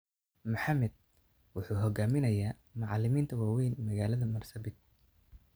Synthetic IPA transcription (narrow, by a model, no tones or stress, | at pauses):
mʊħɑmɛd̪̚ | wʊħuːɦɔɡaːmɪnɐjaː | mʊʕɑlːɪmiːnt̪ʰɐwaːwɛjnmɐɣaːlɐðɐmɐrsɐbɪɡ̚